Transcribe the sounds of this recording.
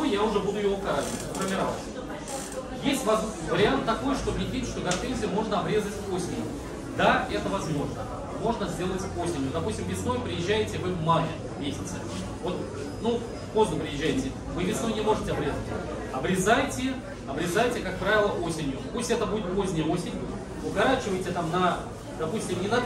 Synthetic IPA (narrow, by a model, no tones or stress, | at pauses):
ojjaʊʐɛbud̪ʊjɪoʊkaɾazəvət̪ʲfərmʲɪɾɐvasʲ | jesʲtʲvɐz | vəɾʲɪant̪ːɐko̞jʂt̪o̞bnʲɪt̪ʲvʲitʲʂt̪o̞ɡɐrt̪enʲzʲɪjʊmo̞ʐnəɐbɾʲe̞zətʲo̞sʲɪnʲjʊ̰ | d̪aɛt̪əvɐzmo̞ʐnə | mo̞ʐnəzʲdʲe̞lˠətʲo̞sʲɪnʲjʊd̪ɐpusʲtʲɪmvʲɪsno̞jpɾʲɪjɪʑːæjɪtʲɪvɨmajʲɪ̰ | mʲesʲɪt̪sə | vo̞t̪ | nu | po̞znʊpɾʲɪjɪʒʑːæjɪtʲɪ | vɨvʲɪsno̞jnʲɪmo̞ʐɨtʲɪɐbɾʲe̞zətʲ | ɐbɾʲɪzajtʲɪ | ɐbɾʲɪzajtʲɪkak̚pɾavʲɪlˠəʔo̞sʲɪnʲjʊpusʲtʲɛt̪əbudʲɪt̪̚po̞zʲnʲɪjəo̞sʲɪnʲjʊ | ʊɡɐɾat͡ɕɪvəjtʲɪt̪amnɐ | d̪̥ɐpusʲtʲɪmnʲɪnɐ